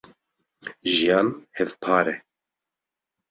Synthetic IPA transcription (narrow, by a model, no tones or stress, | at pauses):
ʒijɑːnhɛvpʰɑːɾɛ